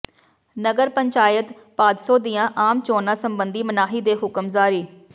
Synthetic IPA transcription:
nəɡəɾpəɲt͡ʃaːjət̪ | paːd̪soːd̪ijãːʔaːmt͡ʃoːnãːsəmbənd̪iːmənaːɦiːd̪eːɦʊkəmzaːɾiː

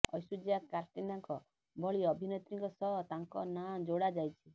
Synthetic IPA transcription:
ɔ̰jsud͡ʒiakaɾt̪inaŋkɔ | bʱɔɭiɔbʱinet̪ɾiŋkɔsɔɦt̪aŋkɔnamd͡ʒoɽad͡ʒajt͡ʃʰi

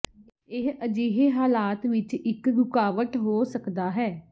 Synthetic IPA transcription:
ɪɦəd͡ʒiːɦeɦaːlaːt̪ʋɪt͡ʃɪkɾʊkaːʋəʈɦoːsəkd̪aːɦɛː

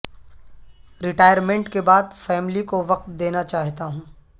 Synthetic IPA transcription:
ɾɪʈaːjəɾmẽɳʈkebaːd̪fɛːmlikoʋɐq̚t̪d̪eːnat͡ʃaːɦt̪aɦũː

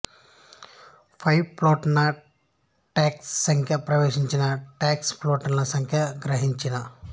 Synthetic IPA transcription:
pʰɐjploːʈnɐ | ʈaːksːɐŋkʰjɐpɾɐʋeːʂiɲt͡ʃinɐʈaːksploːʈnnɐsɐŋkʰjɐɡɾɐɦiɲt͡ʃinɐ

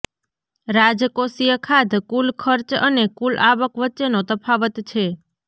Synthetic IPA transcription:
ɾad͡ʒkosijəkʰad̪kulkʰəɾt͡ʃə̰nekulaʋəkʋətːt͡ʃenot̪əpʰaʋət̪t͡ʃʰe

